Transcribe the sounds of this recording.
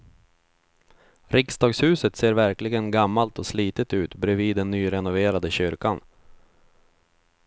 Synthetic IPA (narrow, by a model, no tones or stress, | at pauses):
ɾɪksd̪ɑːɡshʉ̟ːsət̪seːɾvæɾklɪɡənɡamːalt̪ɔsliːt̪ət̪ʉ̟ːt̪bɾɛviːd̪ːɛnːyːɾɛnʊveːɾad̪əɕʏɾkan